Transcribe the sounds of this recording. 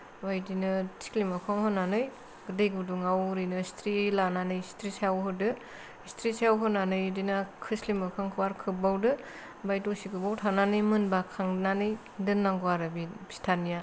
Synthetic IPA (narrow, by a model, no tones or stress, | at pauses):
wajdinɯtʰi̥klimɯkʰaŋhɔnːanɯj | ɡɯdejɡɯduŋawɾɯjnɯstʰɾilananɯjstʰɾisawɦɯdɯ | istʰɾisjawɦɔnanɯjdinakʰɯslimɯkʰaŋkʰɯwaɾkʰɯbawdɯ | bajdosikɯbawtʰananɯjmɯnbakʰaŋnanɯj | dɯnːaŋɡwaɾɯbibi̥stʰanija